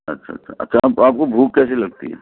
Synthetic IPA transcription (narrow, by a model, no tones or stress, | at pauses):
ɐtːʃʰa̰tːʃʰaɐ̰tːʃʰapaːp̚kobʱuːkːɛːselɐɡ̚t̪ḭɦɛ̰ː